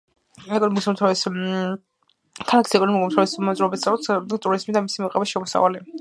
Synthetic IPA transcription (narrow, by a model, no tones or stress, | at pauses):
ɛkʼɔnɔmɡɔsamt̪ʰais | kʰalakʰi̥sɛkʼɔnɔmɡɔmt̪ʰaismɔzɾuɔbit̪saɾɔt̪st̪ʼuɾizmid̪amisimɔqʼɛbʃɛmɔsa̰va̰li